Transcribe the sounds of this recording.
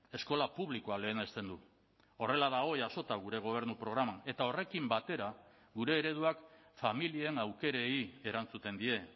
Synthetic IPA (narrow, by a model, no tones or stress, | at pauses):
e̞sko̞lapuβ̞liko̞ale̞ːne̞st̪e̞nd̪u | o̞re̞laðaɣo̞jaso̞t̪aɣ̞uɾe̞ɣ̞o̞β̞e̞ɾnupɾo̞ɣ̞ɾamae̞t̪ao̞re̞kimbat̪e̞ɾa | ɡuɾe̞ːɾe̞ð̞uakfamilieenawke̞ɾe̞ie̞ɾant͡sut̪e̞nd̪ie̞